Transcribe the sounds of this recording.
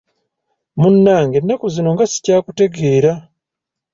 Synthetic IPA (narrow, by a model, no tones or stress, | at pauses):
munːaːŋɡe̞nːakuzino̞ŋɡasi̥caːkute̞ɡe̞ːɾa